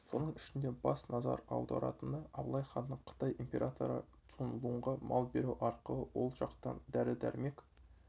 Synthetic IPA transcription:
so̞nəɴɪʃɪnd̪e̞bɑsnɑzɑ̰ɾɑwd̪ɑ̰ɾɑ̰t̪ənd̪ɑɑblˠɑjχɑnːəɴqʰə̥t̪ɑjʔimpʲe̞ɾʔat̪ʰo̞ɾə̰ | t̪ʰunəlˠuəɴʁɑmʔɑlˠbe̞ɾuwʔɑɾqəlˠəwo̞lˠʒɑqt̪ɑ̰nd̪æɾɪd̪æ̰ɾme̞k

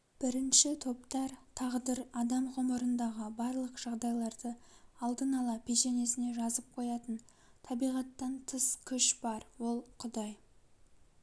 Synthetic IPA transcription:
b̥ɪɾɪnʃɪt̪ʰo̞pt̪ɑɾt̪ʰɑʁd̪əɾɑd̪ɑmʁo̞məɾənd̪ɑʁəbɑɾlˠəqʒ̥ɑʁd̪ɑjlˠɑɾd̪əɑlˠd̪ənɑlˠɑpʰe̞ʃe̞ne̞sɪne̞ʒɑzəp̚qʰo̞jɑt̪ən | t̪ʰɑbijʁɑt̪ːɑnt̪ʰəskʲʰʏʃb̥ɑɾwo̞lˠqʰʊd̪ɑj

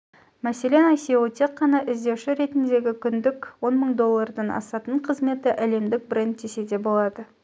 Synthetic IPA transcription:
mæse̞le̞nɑjseut̪ʰe̞qːɑnɑʔɪzd̪e̞wʃɪɾe̞t̪ɪnd̪e̞ɡʲɪkʲʰʏnd̪ɪkwo̞nməɴd̪o̞lˠːɑrd̪ɑnɑ̰sɑt̪əɴqʰəzme̞t̪ɪʔæle̞md̪ɪk̚bɾe̞nd̪̚ese̞d̪e̞bo̞lˠɑd̪ə

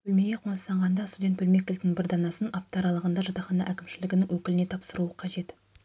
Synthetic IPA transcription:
bɵlme̞ɡʲe̞qʰo̞nəst̪ɑɴʁɑnd̪ɑst̪ud̪ʲe̞nt̪̚bɵlme̞kʲɪlt̪ːɪŋbɪɾd̪ɑnɑsənɑp̚t̪ɑɾɑlˠəʁənd̪ɑʒɑt̪ɑχɑnɑ̰ʔækʲɪmʃɪlɪɡʲɪnɪŋwɵkʲɪlɪne̞t̪ʰɑpsəɾuəqʰɑʒe̞t̪

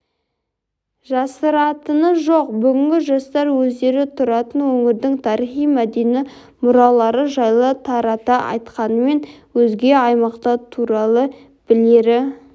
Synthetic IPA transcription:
ʒɑsəɾɑt̪ənəʒoq̚bʏɡʲɪŋɡʲɪʒɑst̪ɑɾwɵzd̪e̞ɾɪt̪ʰʊɾɑt̪ənwɵŋɪɾd̪ɪŋt̪ʰɑɾiχijmæd̪enɪ | mʊɾɑlˠɑɾəʒɑjlˠət̪ʰɑɾɑt̪ɑʔɑ̰jt̪qɑnəme̞nwɵzɡʲe̞ɑjmɑqt̪ɑt̪ʰuɾɑlˠə | b̥ɪleɾɪ

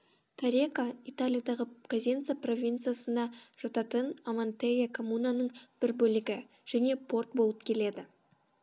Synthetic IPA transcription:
t̪ʰaɾʲekait̪alʲijad̪ɑʁəkazʲent̪sɨjapro̞vʲint̪sɨjasənɑʒ̥ɑt̪ɑt̪ənamant̪ejʲakʰo̞munanəɴb̥ɪɾbɵlɪɡʲɪ | ʒ̥æne̞pʰo̞rt̪̚bo̞lˠəp̚kʲʰe̞le̞d̪ɪ

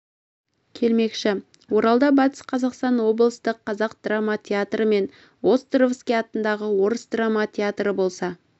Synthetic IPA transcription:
kʲʰe̞lme̞kʃɪ | wo̞ɾɑlˠd̪ɑbɑt̪ə̥sqʰɑzɑqst̪ɑnwo̞blˠəst̪əqʰːɑzɑq̚d̪ramat̪ʲʰeat̪rəme̞n | wo̞st̪rovskʲejɑt̪ənd̪ɑʁəwo̞ɾəsd̪ramɑt̪ʲʰeat̪rəbo̞lˠsɑ

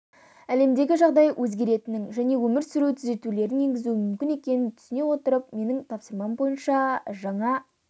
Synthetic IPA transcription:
æle̞md̪e̞ɡʲɪʒɑʁd̪ɑjwʔɵzɡʲe̞ɾe̞t̪ɪnɪŋʒæne̞wɵmɪɾsʏɾuwt̪ʰʏze̞t̪ule̞ɾɪnje̞ŋɡʲɪzuɪmʏmkʲɪne̞kʲe̞nɪnt̪ʰʏ̥sɪne̞wo̞t̪əɾəp̚me̞nɪŋt̪ʰɑpsəɾmɑmbo̞jənʃɑʒɑɴɑ

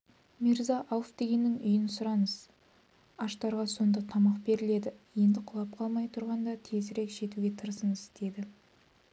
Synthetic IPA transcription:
miɾzɑʔɑlˠfd̪̥e̞ɡʲe̞nːɪŋʏjɪnsʊɾɑnəz̥ | ɑʃt̪ɑɾʁɑso̞nd̪ɑt̪ʰɑmɑq̚be̞ɾɪle̞d̪ɪje̞nd̪ɪqʰʊlˠɑp̚qʰɑlˠmɑjt̪ʰʊɾʁɑnd̪ɑt̪ʰe̞zɾe̞kʒe̞t̪uɡʲe̞t̪ʰəɾsənɪst̪e̞d̪ɪ

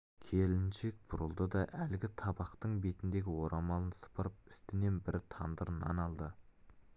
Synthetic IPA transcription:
kʲʰe̞lɪnʃe̞k̚bʊɾəlˠd̪əd̪ɑʔælɡʲɪt̪ʰɑbɑqt̪əɴbe̞t̪ɪnd̪e̞ɡʲɪwo̞ɾʔɑmɑlˠənsə̥pəɾəp̚ʏst̪ɪne̞nbɪɾɪt̪ʰɑnd̪əɾənɑ̰nɑlˠd̪ə

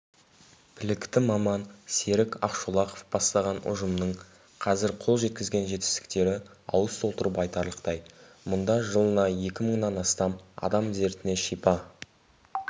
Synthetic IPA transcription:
b̥ʰɪlɪkt̪ɪmɑmɑnse̞ɾɪkɑ̰qʃulˠɑqofb̥ɑst̪ɑʁɑnʊ̰ʒəmnəɴ | qʰɑzɪɾqʰo̞lˠʒe̞t̪̚kʲɪzɡʲe̞nʒe̞t̪ɪst̪ɪ̥k̚t̪e̞ɾɪ | ɑ̰wəst̪ʰo̞lˠt̪əɾəpɑjt̪ɑɾlˠəqt̪ɑj | mʊnd̪ɑʒəlˠənɑje̞kʲɪməɴnɑnɑst̪ɑmɑ̰d̪ɑmze̞ɾt̪ɪne̞ʃijpɑ

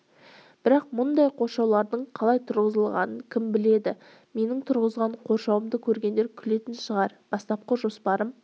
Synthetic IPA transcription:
b̥ɪɾɑq̚mʊnd̪ɑjqʰo̞ɾʃɑwlˠɑɾd̪əɴqʰɑlˠɑjt̪ʰʊɾʁəzəlˠʁɑ̰nəŋkʲʰɪmbɪle̞d̪ɪ | me̞nɪŋt̪ʰʊɾʁəzʁɑɴqʰo̞ɾʃɑwəmd̪əkʲʰɵɾɡʲend̪eɾkʲʰʏle̞t̪ɪnʃəʁɑɾb̥ɑst̪ɑp̚qəʒo̞spɑɾəm

